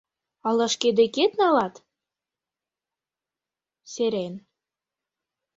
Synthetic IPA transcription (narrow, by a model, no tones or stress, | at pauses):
ɑlɑʃked̪eket̪nɑlɑt̪ | seɾen